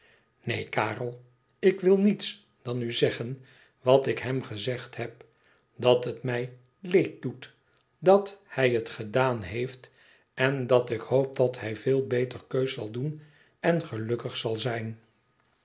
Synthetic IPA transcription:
nejkaːrəlˠ | ɪkʋɪlˠnits | d̥ɑnyzɛχən | ʋɑtɪkɦɛmχəzɛχtɦɛp | dɑtɦətmɛj | lejt̚dut | dɑthɛjətχədaːnɦejft | ɛndɑtɪkhoʊp̚dɑthɛjvɪːlˠbejtəɹkøɥsɑ̰lˠdun | ɛnχəlɵkəχsɑlˠzɛjn

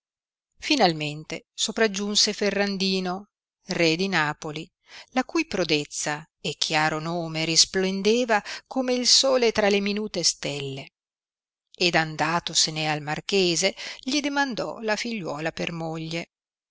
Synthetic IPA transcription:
finalment̪esopɾad͡ʒːunseferːand̪iːno | red̪inaːpoli | lakujpɾod̪et̪sːa | ekʰːjaːɾonoːmeɾisplend̪eːvakomeilsoːlet̪ɾaleminuːt̪est̪elːe | ed̪and̪aːt̪osenealmarkeːzeʎid̪emand̪ɔ̰lafiʎːwɔːlapermoʎːe

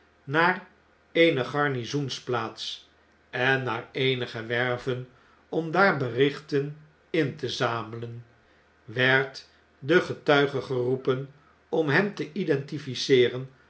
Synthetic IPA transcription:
naːr | ejnəχɑɹnizunsplaːts | ɛnːaːɹejnəχəʋɛɹvən | ɔmdaːɹbərɪχtən | ɪntəzaːmələn | ʋɛɹt | dəχətœɥχəχərupən | ɔmɦɛmtəʔidɛntifisɪːrən

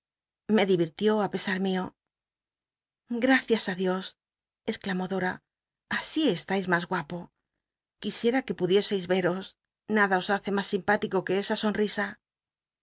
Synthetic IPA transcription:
me̞ðiβiɾt̪jo̞ape̞saɾmio̞ | ɡɾaθjasaðjo̞s | e̞sklamo̞ðo̞ɾa | asie̞st̪ajzmazɣwapo̞ | kisje̞ɾake̞puðje̞se̞jzβe̞ɾo̞s | naðao̞saθe̞masːimpat̪iko̞ke̞esaso̞nrisa

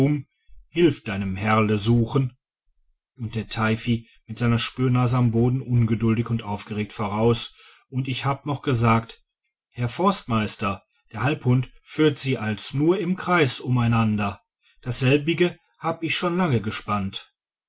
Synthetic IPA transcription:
ʊm | hɪlfd̥aɪnəmhɛɐləzuːxən | ʊnt̚d̥eːɐtʰaɪfi | mɪtz̥aɪnɐʃpyːɐnaːzəamboːdn̩ʔʊnɡədʊldɪçʊntʔaʊfɡ̥əʁeːk̚tfoːʁaʊs | ʔʊntɪçhaːbənɔχɡ̥əzaːkt | hɛɐfɔɐstmaɪstɐ | d̥eːɐhalphʊntfyːɐtz̥iːʔalsnuːɐɪmkʁ̥aɪsʊmaɪnandɐ | d̥asz̥ɛlbɪɡə | haːbəɪçʃoːnlaŋəɡəʃpant

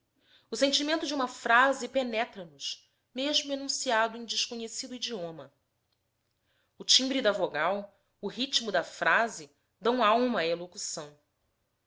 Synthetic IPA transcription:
ʊsẽnt͡ʃimẽnt̪ʊd͡ʒɪũmɐfɾazɪpenɛt̪ɾɐnʊʃ | meʒmʊenũsiad̪ʊẽj̃d͡ʒɪʃkoɲesid̪ʊid͡ʒiõmɐ | ʊt͡ʃĩbɾid̪avoɡaw | ʊɦit͡ʃmʊd̪ɐfɾazɪ | d̪ɐ̃w̃awmɐːelokusɐ̃w̃

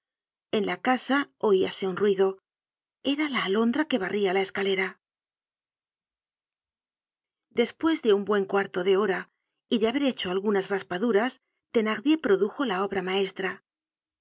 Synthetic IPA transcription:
e̞nlakasao̞iase̞unrwiðo̞ | e̞ɾalaːlo̞nd̪ɾake̞βarʔialae̞skale̞ɾa | d̪e̞spwe̞zðe̞umbwe̞ŋkwaɾt̪o̞ðe̞o̞ɾa | iðe̞aβe̞ɾe̞t͡ʃo̞alɣunasraspaðuɾas | t̪e̞naɣðje̞pɾo̞ðuxo̞lao̞βɾamae̞st̪ɾa

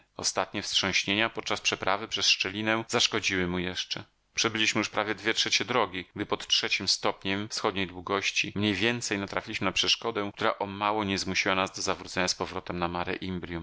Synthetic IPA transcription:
ɔ̰st̪at̪̚ɲɛfsʂɔ̃ɕɲeɲapɔt̪̚t͡ʂaspʂɛpɾʔavɘpʂɛsʂt͡ʂɛlʲinɛ̃zaʂkɔd͡ʑiwɘmujɛʂt͡ʂɛ | pʂɛbɘlʲiɕmɘjuʂpɾavʲjɛd̪vʲjɛtʂɛt͡ɕɛd̪ɾɔɡʲiɡ̚d̪ɘpɔt̪tʂɛt͡ɕimst̪ɔpɲɛmfsxɔd̪ɲejd̪wuɡɔɕt͡ɕimɲejvʲjɛnt̪sɛjnat̪ɾafʲilʲiɕmɘnapʂɛʂkɔd̪ɛ̃kt̪uɾaʔɔmawɔɲɛzmuɕiwanazd̪ɔzavɾut̪sɛɲaspɔvɾɔt̪ɛmnamaɾɛ̰ʔimbɾʲjum

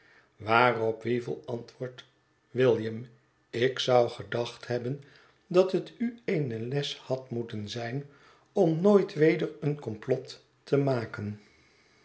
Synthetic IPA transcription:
ʋaːrɔpʋivə̰lˠɑntʋʊːɹt | ʋɪlˠjəm | ɪksʌwχədɑχthɛbən | dɑtɦətyejnəlɛshɑtmutənzɛjn | ɔmnoːjtʋejdəɹənkɔmplɔtː | əmaːkən

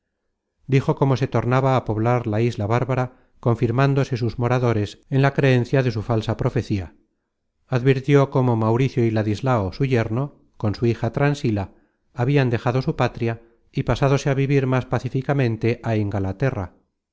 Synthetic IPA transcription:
d̪ixo̞ko̞mo̞se̞t̪o̞ɾnaβaːpo̞βlaɾlaizlaβaɾβaɾa | ko̞ɱfiɾmand̪o̞se̞suzmo̞ɾaðo̞ɾe̞se̞nlakɾe̞e̞n̟θjaðe̞sufalsapɾo̞fe̞θia | aðβiɾt̪jo̞ko̞mo̞mawɾiθjoilaðizlaosuʝe̞ɾno̞ | ko̞nsuixat̪ɾansilaː | βiand̪e̞xaðo̞supat̪ɾja | ipasaðo̞se̞aβiβiɾmaspaθifikamẽ̞nt̪e̞ʔaeŋɡalat̪e̞ra̰

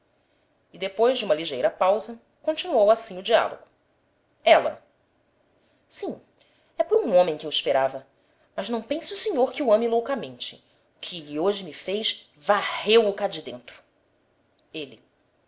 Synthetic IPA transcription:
id̪epojʒd͡ʒɪũmɐliʒejɾɐpawzɐ | kõnt͡ʃinuowasĩɲʊd͡ʒia̰lo̰ɡʊ | ɛlɐ̰ | sĩ | ɛpɔɾũõmẽj̃kɪewiʃpeɾavɐ | mɐznɐ̃w̃pẽsʊːsiɲoɾkɪuɐ̃milowkɐmẽnt͡ʃɪ̥̰ | kʰɪʎioʒɪmifejʃvahewʊkad͡ʒɪd̪ẽnt̪ɾʊ̥ | eli

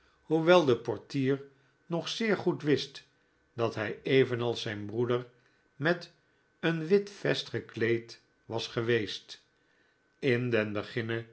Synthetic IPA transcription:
huʋɛlˠdəpɔɹtiːɹ | nɔχsɪːɹχutʋɪst | d̥ɑtɦɛjejvənɑlˠsɛjnbrudəɹ | mɛt | ənʋɪtfɛstχəklejt | ʋɑsχəʋejst | ɪndɛnbəχɪnə

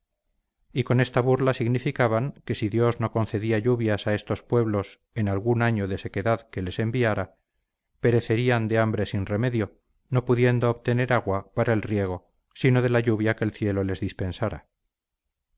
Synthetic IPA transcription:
iko̞ne̞st̪aβuɾlasiɣnifikaβaŋke̞siðjo̞zno̞ko̞nθe̞ðiaʎuβjasae̞st̪o̞spwe̞βlo̞s | e̞nalɣunaɲoðe̞se̞ke̞ðaðke̞le̞se̞mbiaɾa | pe̞ɾe̞θe̞ɾiand̪e̞ambɾe̞sinre̞me̞ðjo̞ | no̞puðje̞nd̪o̞ːβt̪e̞ne̞ɾaɣwapaɾaelrje̞ɣ̞o̞ | sino̞ðe̞laʎuβjake̞ːlθje̞lo̞le̞zðispe̞nsaɾa̰

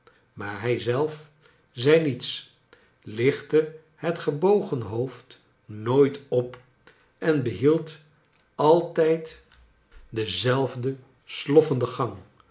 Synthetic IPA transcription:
maːɹɦɛjzɛlˠf | zɛjnits | lɪχtə | hətχəbowχənɦowft | noːjtɔp | ʔɛnbəɦilˠt | ɑlˠtɛjt | dəzɛlˠvdə | slɔfəndəχɑŋ

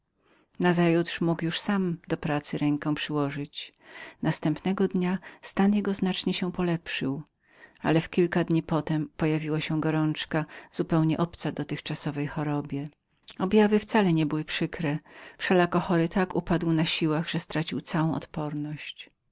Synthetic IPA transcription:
nazajut̪ʂmukjuʂsamd̪ɔpɾat̪sɘɾɛŋkɔ̃w̃pʂɘwɔʐɘt͡ɕ | nast̪ɛmpnɛɡɔd̪ɲast̪anjɛɡɔznat͡ʂɲɛɕɛpɔlɛpʂɘw | a̰lɛfkʲilkad̪ɲipɔt̪ɛmpɔjavʲiwaɕɛɡɔɾɔnt͡ʂkazupɛwɲɛʔɔpt̪sad̪ɔt̪ɘxt͡ʂasɔvɛjxɔɾɔbʲjɛ | ɔbjavɘft̪salɛɲɛbɘwɘpʂɘkɾɛfʂɛlakɔxɔɾɘt̪akupad̪wnaɕiwaɣʐ̥ɛst̪ɾat͡ɕiwt̪sawɔ̃w̃ʔɔ̰t̪pɔɾnɔɕt͡ɕ

